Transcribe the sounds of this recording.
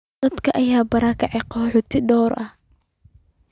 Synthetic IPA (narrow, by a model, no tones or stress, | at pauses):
d̪ɐd̪kʰɐʔɐjaːbɐɾɑkʰɐʕɛqɔħʊt̪ʰɪɖ̪ɔːɾʔɐh